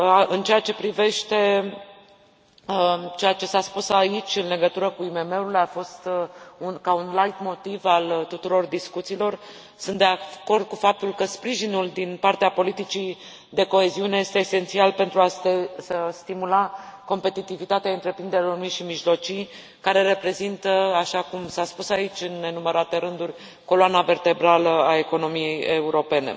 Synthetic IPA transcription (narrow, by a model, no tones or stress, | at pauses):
ɨnt͡ʃe̞jat͡ʃe̞pɾive̞ʃt̪e̞ | t͡ʃe̞jat͡ʃe̞saspusait͡ʃʲɨnle̞ɡət̪uɾəkuime̞me̞ulafo̞st̪unkaunlajt̪mo̞t̪ivalt̪ut̪uɾo̞rd̪iskut̪silo̞r | sunt̪d̪e̞ako̞rd̪̚kufap̚t̪ulkəspɾiʒinuld̪inpart̪eapo̞lit̪it͡ʃi | d̪e̞ko̞e̞ziune̞je̞st̪e̞ːse̞nt̪sialpe̞nt̪ɾuasesəst̪imulako̞mpe̞t̪it̪ivit̪at̪eaɨnt̪ɾe̞pɾind̪eɾelormujʃimiʒlo̞t͡ʃij | kaɾe̞ɾe̞pɾe̞zint̪əaʃakumsaspusait͡ʃʲɨnːe̞numəɾat̪e̞ɾɨnd̪urʲ | ko̞loanave̞rt̪e̞bɾaləae̞ko̞no̞mijejeuɾo̞pe̞ne̞̰